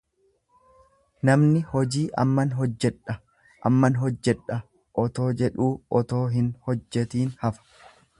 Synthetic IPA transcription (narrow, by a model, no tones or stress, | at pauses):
nɐmnɪhɔd͡ʒiːʔɐ̰mːɐnɦɔd͡ʒːɛᶑɐ | ʔɐ̰mːɐnɦɔd͡ʒːɛᶑɐ | ʔɔt̪o̞ːd͡ʒɛᶑuːɔt̪o̞ːɦɪnhɔd͡ʒːɛt̪iːnhɐfɐ̥